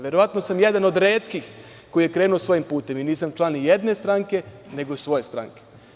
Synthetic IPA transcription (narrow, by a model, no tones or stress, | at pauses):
ʋjeɾo̞ʋat̪no̞samjed̪ano̞d̪ɾe̞ːt̪kix | ko̞jije̞kɾeːnuosʋo̞jimpuːt̪e̞miniːsamt͡ʃlˠanijed̪ne̞st̪ɾaŋke̞ne̞ɡo̞sʋo̞jest̪ɾa̰ŋke